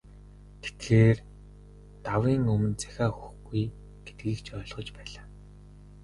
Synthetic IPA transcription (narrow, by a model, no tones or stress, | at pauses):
t̪ʰe̥t̪xeːr | t̪awiːŋɵmɵ̆nt͡sæ̥xʲaːxu̥xɡuj | ɡ̥e̥t̪̚ɡiːkt͡ɕʰœːɮʁɞ̆t͡ɕpæːɮaː